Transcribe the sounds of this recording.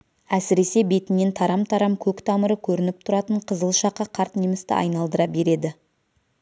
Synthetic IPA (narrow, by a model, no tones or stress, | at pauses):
æsɪɾe̞se̞be̞t̪ɪnːe̞nt̪ʰɑɾɑmt̪ʰɑɾɑmkʲʰɵkt̪ʰɑməɾəkʲʰɵɾɪnɪp̚t̪ʰʊɾɑt̪əɴqʰəzəlˠʃɑqːɑqʰɑɾt̪nijmɪst̪ɪ̰ʔɑ̰jnɑlˠd̪əɾɑbe̞ɾe̞d̪ɪ